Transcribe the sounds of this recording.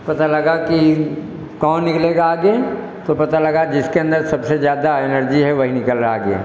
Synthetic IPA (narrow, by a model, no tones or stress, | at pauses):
pɐt̪alɐɡaki | kɔ̃ːnnɪkleːɡaːɡe | t̪opɐt̪alɐɡad͡ʒɪskeɐ̃nd̪əɾsɐbsezjaːd̪aɪnəɾd͡ʒiɦɛʋɐɦinɪkəlɾɐaɡḛ